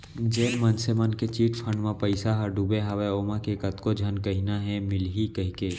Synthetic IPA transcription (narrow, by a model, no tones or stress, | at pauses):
d͡ʒeːlmɐnsemənket͡ʃiːʈpʰɐ̃ɳɖmãpɐɪsaɦɐɾɖuːbeɦɐʋeoːmãkekɐt̪kod͡ʒʱɐnkɐɦinaɦɛmɪlɦikɐɦkeː